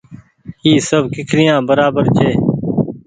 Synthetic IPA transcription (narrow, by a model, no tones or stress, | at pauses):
iːsəbkɪkʰɾɪjãːbəɾaːbəɾt͡ʃʰeː